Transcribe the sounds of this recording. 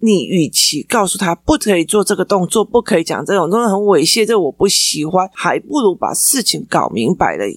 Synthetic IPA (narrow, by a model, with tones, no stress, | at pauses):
ni˨˩y˨˩t͡ɕʰi˨˥˦kɑ˥˩ʊsu˥˩t̪ʰa˥pu˥˩kʰɤ˧˥i˨˩t͡swɔ˥˧ʈ͡ʂɤ˥˩ɡə˩t̪ʊ˥˧ŋt͡swɔ˥˨pu˥˩kʰɤ˧˦˥i˧˥t͡ɕjɑ̰˨˩ŋt͡sɤ˥˩o˨˩ŋt̪o˥ŋ˥˩ɦə˧˦nwe˨˥˩ɪɕjɛ˥˧t̪e˥˩˨wɔ˨˩pu˥˩ɕi˨˩˦xwa˦nxa˧˥ɪpu˥˩lu˧˥pa̰˨˩ʂɻ̩˥˩t͡ɕʰi˧˦ŋkɑ̰˨˩ʊmi˧˦˥ŋpa̰˧˥ɪlə̰˦